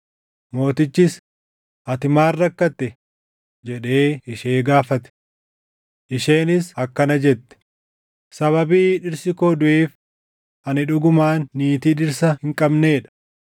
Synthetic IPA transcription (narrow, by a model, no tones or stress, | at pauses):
mo̞ːt̪ɪt͡ʃːɪs | ʔɐt̪ɪmaːrːɐkːɐt̪ːɛ | d͡ʒɛᶑeːɪʃe̞ːɡaːfɐt̪ɛ̥ | ʔɪʃe̞ːnɪsɐkːɐnɐd͡ʒɛt̪ːɛ̥ | sɐβɐbiːᶑɪɾsɪkoːd̪ʊʔeːf | ɐnɪᶑʊɡʊmaːnːiːt̪iːᶑɪɾsɐhɪŋkʼɐbneːᶑɐ̥